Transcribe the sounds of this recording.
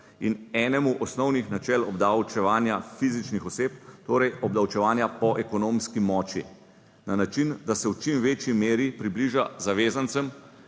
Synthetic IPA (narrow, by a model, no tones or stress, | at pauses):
inɛːnɛmuʔɔsnɔwnixnat͡ʃɛːlɔbd̪awt͡ʃɛʋaːnjafizit͡ʃnixɔseːp̚t̪oːɾɛjɔb̚d̪awt͡ʃɛʋaːnjapɔʔɛkɔnoːmskimɔːt͡ʃḭ | nanat͡ʃind̪asɛwt͡ʃimʋeːt͡ʃjimeːɾipɾibliʒazaʋeːzant̪sɛm